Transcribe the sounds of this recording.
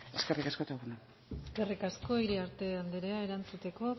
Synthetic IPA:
e̞skerikaskot̪auɣend̪a | eske̞rikasko̞iɾiaɾt̪e̞and̪eɾeae̞ɾant͡sut̪e̞ko̞

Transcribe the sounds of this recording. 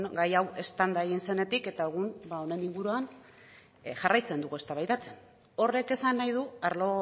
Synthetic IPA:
ɡajawe̞st̪and̪aeɣinse̞ne̞t̪ike̞t̪aeɣ̞unbao̞ne̞niŋɡuɾuan | ʝarajt͡se̞nd̪uɣue̞st̪aβajt̪at͡se̥n | o̞re̞ke̞sanːajð̞uaɾlo̞

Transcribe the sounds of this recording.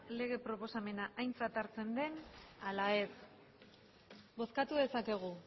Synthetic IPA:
le̞ɣ̞e̞pɾo̞po̞same̞naʔajnt͡sat̪aɾt͡se̞nd̪e̞nalae̞s | bo̞skat̪uðe̞sake̞ɣ̞u

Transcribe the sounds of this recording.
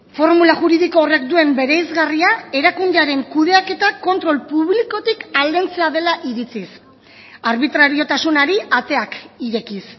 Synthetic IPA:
fo̞ɾmulaʝuɾiðikoːre̞k̚d̪ue̞mbe̞ɾejzɣariae̞ɾakund̪e̞aɾe̞ŋkuð̞e̞ake̞t̪ako̞nt̪ɾo̞lpuβliko̞t̪ikald̪e̞nt͡se̞aðe̞laʔiɾit͡sis | aɾβit̪ɾaɾio̞t̪asunaɾiat̪e̞akiɾe̞kis

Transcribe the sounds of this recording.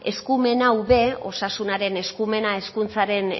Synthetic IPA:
e̞skume̞nawβe̞o̞̰sasunaɾe̞ne̞skume̞nae̞skunt͡saɾe̞n

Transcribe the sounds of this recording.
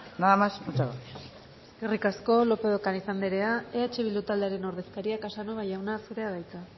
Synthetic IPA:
naðamasut͡ʃaβa | eske̞rikasko̞lo̞pe̞ðokanisand̪iɾe̞aeat͡ʃe̞βilut̪ald̪e̞aɾe̞no̞ɾðe̞skaɾiakasanoβajawnasuɾe̞aðajt͡sa

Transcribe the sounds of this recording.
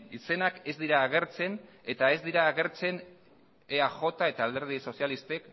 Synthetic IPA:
ise̞nake̞zd̪iɾaːɣ̞e̞ɾt͡se̞n | e̞t̪ae̞zd̪iɾaːɣe̞ɾt͡se̞n | eaʝo̞t̪ae̞t̪aːld̪e̞ɾð̞iso̞sjalist̪ek

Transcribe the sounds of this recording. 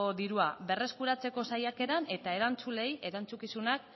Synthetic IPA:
oðiɾuaβe̞re̞skuɾat͡se̞ko̞sajake̞ɾane̞t̪ae̞ɾant͡sule̞jʔe̞ɾant͡sukisunak̚

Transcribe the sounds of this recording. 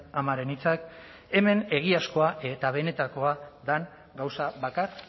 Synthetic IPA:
amaɾe̞nit͡sak | e̞me̞ne̞ɣ̞iasko̞aʔe̞t̪aβ̞e̞ne̞t̪ako̞aðaŋ | ɡawsaβakar

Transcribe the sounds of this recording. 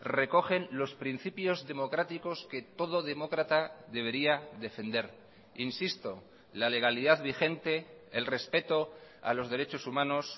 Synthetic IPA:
re̞ko̞xe̞nlo̞spɾin̟θipjo̞zðe̞mo̞kɾat̪iko̞ske̞t̪o̞ð̞o̞ðe̞mo̞kɾat̪aðe̞β̞e̞ɾiaðe̞fe̞nd̪e̞ɾ | insist̪o̞ | lale̞ɣ̞aliðaðβixe̞nt̪e̞ːlre̞spe̞t̪o̞a̰lo̞zð̞e̞ɾe̞t͡ʃo̞sumãno̞s

